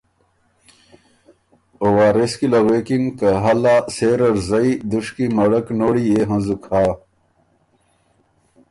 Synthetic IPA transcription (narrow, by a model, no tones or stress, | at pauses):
owaːɾeskilɐɣeːkiŋkɐɦɐlaːseːɾɐɾzɐid̪uʂkimɐɽɐknoːɽieɦɐ̃zukʰaː